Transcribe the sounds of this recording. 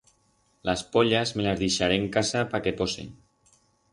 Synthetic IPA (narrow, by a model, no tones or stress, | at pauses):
laspoʎazmelazðiʃaɾeŋkasapakepɔsḭn